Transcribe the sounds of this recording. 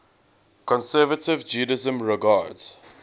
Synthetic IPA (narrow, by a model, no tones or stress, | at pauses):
kʰɔ̃nsɛːvətɪvd͡ʒuːdəzə̃mɹɪɡaːdz̥